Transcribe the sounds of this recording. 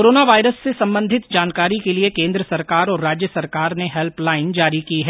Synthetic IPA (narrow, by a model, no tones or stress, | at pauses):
oɾoːnaʋaːɪɾəsːesɐ̃mbə̃nd̪ʱɪt̪d͡ʒaːnkaːɾikeliekẽːnd̪ɾəsɐɾkaːɾɔːɾːaːd͡ʒjəsɐɾkaːɾneɦɛlplaːɪnd͡ʒaːɾikiɦɛː